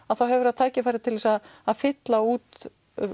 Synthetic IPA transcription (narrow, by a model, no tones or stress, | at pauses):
aðθawɦɛvʏɾaðt̪ʰaːjcɪfaːjɾɪt̪ʰɪlvɛsaaðfɪt̪lauːt̪